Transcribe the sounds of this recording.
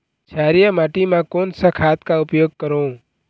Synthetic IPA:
t͡ʃʰaːɾijəmaːʈimãkoːnsəkʰaːt̪kaʊpjoːɡ̚kəɾõː

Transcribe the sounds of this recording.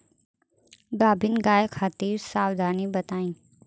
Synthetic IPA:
ɡaːbɪnɡaːekʰaːt̪iːɾsaːwd̪ʱaːnibɐt̪aːĩː

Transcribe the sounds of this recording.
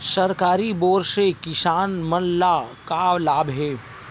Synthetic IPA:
sɐɾkaːɾiboːɾʃekɪsaːnmənlakawlaːbɦɛː

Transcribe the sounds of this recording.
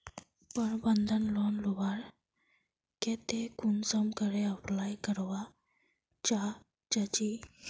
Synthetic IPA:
pəɳbənd̪ʱənlɔnluʋaɾ | ket̪ekunsəmkəɾeəplajkəɾʋa | t͡ɕa | t͡ɕat͡ɕi

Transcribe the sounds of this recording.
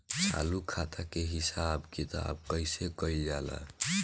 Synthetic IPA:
t͡ʃʰa̰lukʰat̪akeɦisabkit̪a̰b̚kəɪsekəild͡ʒala̰

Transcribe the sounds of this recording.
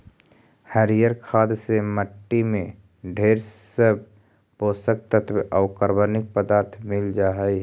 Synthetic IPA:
həɾijəɾkʰaːd̪seməʈːimẽ | ɖʱeːɾsəb̚ʱ | poːsək̚t̪ət̪ʰbʔəʊkəɾbənɪk̚pəd̪aːɾt̪ʰmɪld͡ʒaːɦəiɦ

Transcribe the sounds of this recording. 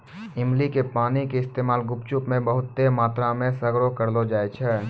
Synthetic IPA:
ɪmlikepaːnikeɪst̪eːmaːlɡʊpt͡ʃʊpmẽbəɦʊt̪ːemaːt̪ɾamẽsɐɡɾokəɾlod͡ʒaːet͡ʃʰɛː

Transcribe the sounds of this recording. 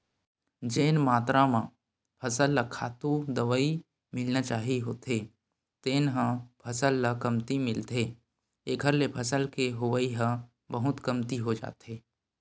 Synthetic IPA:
d͡ʒeːnmaːt̪ɾamã | pʰɐsəlːakʰa̰ːt̪ud̪əʋəi | mɪlnat͡ʃaːɦiɦoːt̪ɦe | t̪eːnɦə̃pʰɐsəlːakɐmt̪imɪlt̪e | eɡʱəɾlepʰɐsəlkeɦʊʋəiɦə̃ | bəɦʊt̪kəmt̪iɦod͡ʒa̰ːt̪ɦeː

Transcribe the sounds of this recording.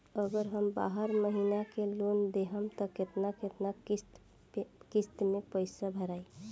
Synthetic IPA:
əɡəɾɦəmba̰ɦəɾməɦinakelond̪eɦəmt̪əket̪naket̪naist̪ | kist̪mepəjsabʱəɾaj

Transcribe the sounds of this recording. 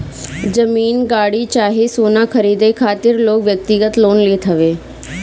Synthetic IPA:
d͡ʒəmiːnɡaːɽit͡ʃaːɦesoːnakʰəɾiːd̪ekʰaːt̪ɪɾloːkʋjək̚t̪ɪɡət̪loːnlet̪ʰɐʋeː

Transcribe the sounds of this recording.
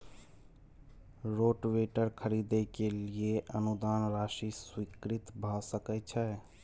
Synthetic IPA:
ɾoʈweʈəɾkʰəɾid̪ekelieʔənud̪aːnɾaʃiswikɾit̪bʱəsəkɛt͡ʃʰɛ

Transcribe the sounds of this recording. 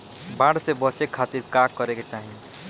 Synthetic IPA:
bãːɽsebət͡ʃekʰaːt̪iɾkaːkːəɾeket͡ʃaːɦie

